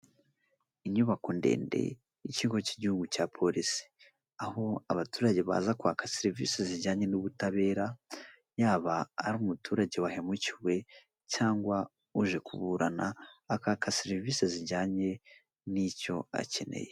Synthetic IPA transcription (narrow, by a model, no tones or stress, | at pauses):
iɲuβakondḛːnde̞̰ | iciːŋɡo̞ciɟihuɡucaːpʰo̞ɾisi̥ | aho̞aβatuːɾaɟe̞βa̰ːzakuwaːkaseɾivḭseziɾɟaːɲe̞nuβutaβe̞ːɾa | jaːβaːɾuːmutuːɾaɟe̞wahe̞muciwe̞ | caːŋɡwa | uʒe̞kuβuɾanaːkakaseɾiviseziɾɟaːɲe̞ | nico̞a̰ce̞ne̞̰je̞